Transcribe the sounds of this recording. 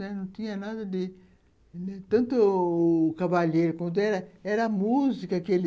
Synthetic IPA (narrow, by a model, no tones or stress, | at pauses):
ɛnɐ̃w̃t̪ĩɲɐnad̪ɐd̪ɪ | t̪ɐ̃nt̪ʊː | kavaʎejɾʊkwɐ̃nt̪̬ʊɛɾɐɛɾɐmuzikɐkɪelɪ